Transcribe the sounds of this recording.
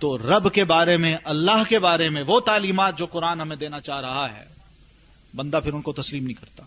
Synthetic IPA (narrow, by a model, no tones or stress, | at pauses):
t̪oːɾɐbkebaːɾemẽʔɐlːaɦkebaːɾemẽʋot̪aːliːmaːt̪̚d͡ʒoːqʊɾaːnɦɐmẽd̪eːnat͡ʃaːɦɾɐɦaɦɛ̰ː | bɐ̃nd̪apʰɪɾʊnkot̪ɐsliːmnɐɦĩkɐɾt̪aː